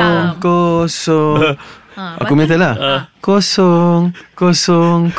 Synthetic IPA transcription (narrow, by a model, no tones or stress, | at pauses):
ŋkosɔŋ | a̰kkumet̪̬elakosɔŋkosɔŋk